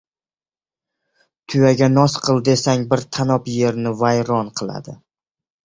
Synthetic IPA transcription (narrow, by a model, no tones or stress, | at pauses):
t̪ʰʊjaɡʲanɒsqʰɨlˠd̪esaŋbɪɾt̪ʰanɒpje̞ɾnɪvajɾɒnqʰɨlˠa̰d̪ɪ